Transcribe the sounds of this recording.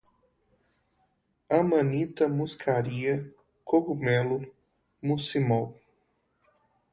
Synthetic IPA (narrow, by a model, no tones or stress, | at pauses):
ɐmɐ̃nit̪ɐmuskʰaɾiɐ | kʰoɡumɛlʊ | musimaw